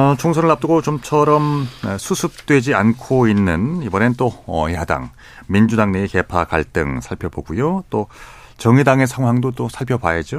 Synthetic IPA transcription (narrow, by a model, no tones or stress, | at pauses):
ʌt͡ɕʰoŋsʰʌnɯɭːap̚t͈ɯɡot͡ɕomt͡ɕʰʌɾʌmsʰusʰɯp̚t͈we̞d͡ʑiankʰoinːɯnibʌnenɯnt͈oʌ̰jada̰ŋ | mind͡ʑudaŋneːke̞pʰaka̰ɭt͈ɯ̰ŋsʰaɭpʰjʌboɡujot͈o | t͡ɕʌŋidaŋe̞sʰaŋɦwaŋdot͈osʰaɭpʰjʌbajed͡ʑo